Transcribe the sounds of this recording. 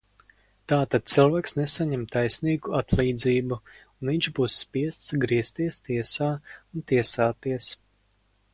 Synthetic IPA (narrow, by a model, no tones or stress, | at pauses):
t̪aːt̪ad̪̥̚t̪sɨlˠvaːksnesaɲɛmt̪ajsniːɡuat̪lˠiːd̪ziːbu | uniɲʲt͡ʃbuːsːpiɛst̪sɡɾiɛst̪iɛst̪iɛsaːunt̪iɛsaːt̪iɛs